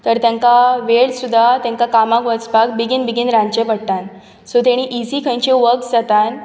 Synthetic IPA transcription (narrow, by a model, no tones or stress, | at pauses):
t̪əɾt̪jãŋkaʋeɭsud̪ʱːat̪jãŋkakamãkʋət͡sbak̚biɡinbiɡinɾãɲt͡ɕepəɽʈ̪an | sot̪eɽ̃iʔisikʰə̃j̃ɲt͡ɕẽʋəkd͡zat̪an